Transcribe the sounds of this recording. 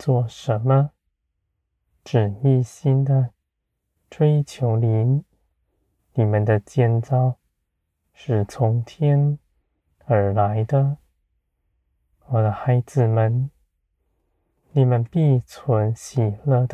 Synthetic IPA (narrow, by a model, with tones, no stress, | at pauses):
t͡swɔ˥˩ʂə˧˥nmə˧ | ʈ͡ʂɻ̩˨˩mi˥˩ɕi˥nd̪ə˨ | ʈ͡ʂwe˥ɪt͡ɕʰjo˧˥ʊli˧˥n | ni˨˩mə˨nd̪ə˨t͡ɕjɛ˥˧nt͡sɑ˥˩ʊ | ʂɻ̩˥˩t͡sʰʊ˧˥ŋt̪ʰjɛ˥n | ə˞˧˥la˧˦ɪd̪ə˨ | wɔ˨˩d̪ə˦xa˧˥ɪd͡zɹ̩˨˩mə˧˨n | ni˨˩mə˦npi˥˩t͡sʰwə˧˥nɕi˨˩lə˥˩d̪ə